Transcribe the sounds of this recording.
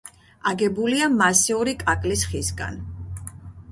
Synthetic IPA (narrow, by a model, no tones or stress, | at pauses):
aɡɛbuliamasiuɾikʼakʼlisχisɡa̰n